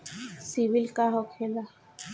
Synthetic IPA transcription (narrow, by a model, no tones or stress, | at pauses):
sibilkaɦɔkʰela